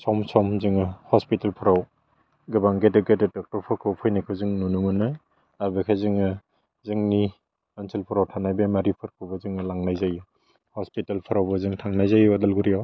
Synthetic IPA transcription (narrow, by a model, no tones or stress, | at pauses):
sɔmsɔmzɯŋɯhɔspitalpʰɯɾaw | ɡɯbaŋɡedɯɡedɯdɔk̚tɔɾpʰɔkʰɯwpʰɔjnakʰɯwzɯŋnunumɯnaj | abekʰajzɯŋɯ | zɯŋni | ansilpʰɯɾawtʰanajbemaɾipʰɯɾkʰɯbɯzɯŋɯlaŋnajzaju | hɔspitalpʰaɾawbɯzɯŋtʰaŋnajzajwadalɡuɾiaw